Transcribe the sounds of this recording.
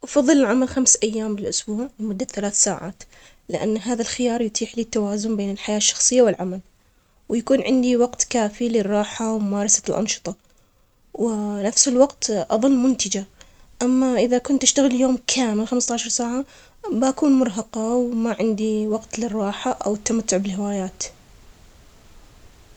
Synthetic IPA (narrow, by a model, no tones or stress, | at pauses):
ʔɑfɑðˤːɨlɪlʕamalxamsʔajːaːmbɪlʔʊsbuːʕlɪmʊd̪ːaθalaːθsaːʕa̰ːt̪ | lɪʔa̰nːɦaːðalxɪjɑːɾˤjʊt̪ʰiːħliːt̪ːawaːzʊnbeːnɪlħajaːʃːɑ̥xsˤɨjːawɪlʕamal | wjakuːnʕɪnd̪iwɑɡt̪kaːfilɪrˤːɑːħawmʊmɑːɾˤɑsḁlʔɑ̰nʃɨ̥t̪ˤɑ | wɪnafsɪlwɑqt̪ʔɑ̰ðˤɨlːmʊnt̪ɪd͡ʒa | ʔamːaʔɪðakʊnt̪ʔɪʃt̪aɣɪljoːmkʰaːmɪlxamst̪aʕʃɑɾˤsaːʕa | bʔakuːnmʊɾˤɦɑqɑwmaʕɪnd̪iwɑqt̪lɪrˤːɑːħaʔa̰wɪt̪ːamat̪ːʊʕbɪlhɪwaːjaːt̪